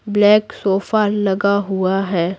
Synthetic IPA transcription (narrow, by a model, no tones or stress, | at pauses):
blɛːksoːfalɐɡaɦʊaɦɛː